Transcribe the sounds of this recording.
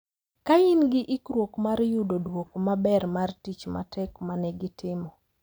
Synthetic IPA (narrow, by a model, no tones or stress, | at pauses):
kaɪnɡɪʔɪkɾwokmaɾjudodwokmabɛrmartit͡ʃma̰tʰɛkmanɛɡɪtʰɪmɔ